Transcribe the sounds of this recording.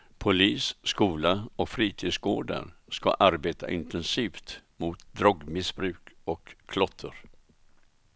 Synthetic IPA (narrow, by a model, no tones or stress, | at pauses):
pʰʊliːsskuːlaɔkfɾiːt̪ʰiːd̪sɡo̰ːɖa̰ɾska̰ʔaɾbeːt̪ʰa̰ʔɪnt̪ɛnsiːft̪mʊt̪d̪ɾɔɡmɪsbɾʉ̟ːkɔkʰːlɔt̪ʰːəɾ